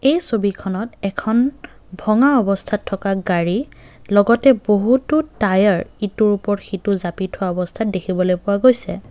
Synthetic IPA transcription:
ejsobikʰɔnɔtɛkʰɔn | bʱɔŋaɔbɔstʰatʰːɔkaɡaɹi | lɔɡɔtɛboɦutʊtajaɹituɹupɔɹxituzapitʰʊwaɔbɔstʰat̚dekʰibɔlojpʊwaɡojsɛ

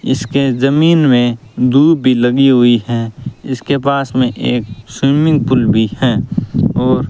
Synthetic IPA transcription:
ɪ̰skezəmiːnmẽd̪uːd̪̚bʱiləɡiɦʊiɦɛ̃ɪskepaːsmẽʔeːksʊjmɪ̃ŋɡ̚pʊlbʱihɛ̃ːɔːɾ

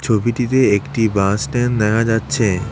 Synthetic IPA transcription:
t͡ɕʰobiʈit̪eekʈibãsʈend̪ɛkʰad͡ʑatːɕʰe

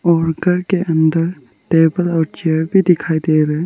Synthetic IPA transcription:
ɔːɾɡəɾkeʔənd̪əɾ | ʈeːbəlɔːɾt͡ʃeəɾbʱid̪ɪkʰaːjd̪eɾɛ

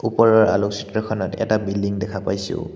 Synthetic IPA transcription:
upɔɹɔɹa̰luksitɔɹkʰɔnɔtɛ̰tabildiŋdɛkʰapajsʊ̰

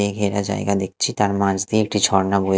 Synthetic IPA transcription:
eɡʱeɾad͡ʑa̰eɡad̪ek̚ʰt͡ɕʰit̪aɾmãt͡ɕd̪ieek̚ʈit͡ɕʰɔɾnabo

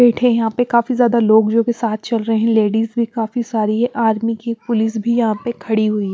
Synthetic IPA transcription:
ɛːʈʰẽjɐɦãpekaːfizjaːd̪aloːɡd͡ʒoːkesaːt̪ʰt͡ʃɐlɾɐɦẽɦɛ̃leːɖiːzbʱikaːfisaːɾiɦɛʔaːɾmikipʊlɪs̬bʱijɐɦãpekʰɐɽiɦʊiɦ

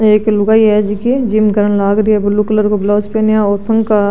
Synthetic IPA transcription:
eːklʊɡaːiɦɛd͡ʒikid͡ʒiːmkəɾənlaːɡɾiɛbʊlːukləɾkoblɔːspeːnjaɔːɾpʰɐ̃ŋɡka

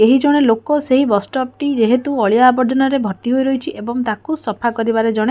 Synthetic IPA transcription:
eɦid͡ʒɔɽ̃elokoseɦibɔsʈɔp̚ʈid͡ʒeɦet̪uɔɭjaːbɔɾd͡ʒɔnɔɾebʱɔɾt̪iɦojɾɔɦit͡ʃʰiʔebɔŋt̪akusɔpʰakɔɾibaɾed͡ʒɔɽ̃e

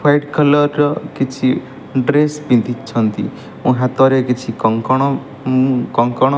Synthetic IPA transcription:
pʰajʈkʰəlʌɾkit͡ʃʰi | ɖɾesbĩnt̪it͡ʃʰʌnt̪ḭ | ũɦãt̪ɔɾekit͡ʃʰikɔŋkɔɽ̃ | kɔŋkɔɽ̃

